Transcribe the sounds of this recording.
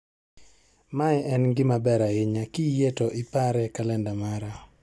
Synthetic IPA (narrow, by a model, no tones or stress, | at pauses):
maɛʔɛnɡɪmabɛɾaɪɲakijetoʔɪpaɾɛkalɛndamaɾa